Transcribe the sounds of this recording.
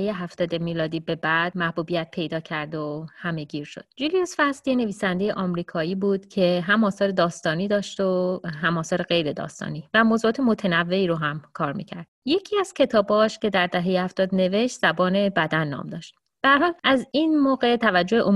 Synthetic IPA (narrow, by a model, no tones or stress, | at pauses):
ejeɦæft̪ɒːd̪emiːlɒːd̪iːbe̞bæd̪̥mæhbuːbijæt̪̚pʰe̞jd̪ɒːcʰæɾd̪ohæme̞ɟiːɾʃo̞̰d̪̥̚d͡ʒuliosfæslijene̞viːsænd̪e̞jeʔɒːmɾiːkʰɒːiːbuːd̪̥cʰe̞ɦæmɒːsɒːɾe̞d̪ɒːst̪ɒːniːd̪ɒːʃt̪oɦæmɒːsɒːɾeɣe̞jɾe̞d̪ɒ̰ːst̪ɒ̰ːnivæmozuɒːt̪ʰe̞mot̪ʰenævːe̞iːɾoɦæmkʰɒːɾmḭːcʰæɾd̪̥je̞cʰiːæz̥cʰe̞t̪ʰɒːbɒːʃce̞d̪æɾd̪æɦejehæft̪ɒːd̪ne̞ve̞ʃt̪z̥æbɒːne̞bæd̪ænːɒ̰ːmd̪ɒːʃt̪ | b̥æhæɾhɒːlʔæzinmoːɣe̞t̪ʰævæd͡ʒːoheʔo